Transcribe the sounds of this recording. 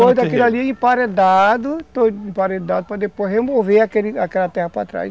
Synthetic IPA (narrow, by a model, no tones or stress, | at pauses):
od̪akilaliẽpaɾed̪ad̪ʊt̪oĩpaɾed̪ad̪ʊpɾɐd̪epozhemoveakelɪakɛlɐt̪ɛhɐpɾa̰t̪ɾa̰js